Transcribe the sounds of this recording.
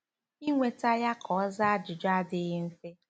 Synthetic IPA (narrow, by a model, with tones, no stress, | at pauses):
i˦ŋʷe˨ta˦ja˦kʰɔ˨˦za˦a˦d͡ʒʊ˨d͡ʒa˦dɪ˦ɣɪ˦m̩˦fe˦